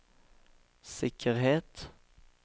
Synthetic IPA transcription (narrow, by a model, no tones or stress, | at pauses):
sɪkʰəʁheːt̪